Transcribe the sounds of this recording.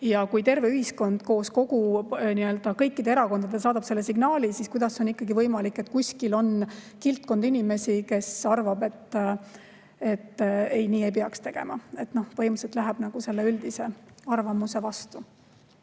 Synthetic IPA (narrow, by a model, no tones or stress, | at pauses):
jɑkujt̪e̞rve̞yhisko̞nd̪̥ko̞ːsko̞ɡ̥uniø̞ld̪̥ɑkɤjkːˑid̪e̞eɾɑko̞nd̪̥ɑd̪esɑːd̪̥ɑbse̞lːesiɡ̥nɑːlisiskujd̪̥ɑsːeo̞nikːɑɡivɤjmɑlikːˑe̞t̪kusʲkilo̞n | kilt̪̚ˑkond̪inʲime̞sike̞sɑrvɑbe̞t̪ː | e̞t̪ːe̞jniːe̞jp̬eɑkst̪e̞ɡ̥e̞̰mɑe̞t̪no̞hpɤjmuset̪ːˑlæɦæb̥nɑɡ̥use̞lːeyld̪ise̞ɑrvɑmuse̞vɑst̪u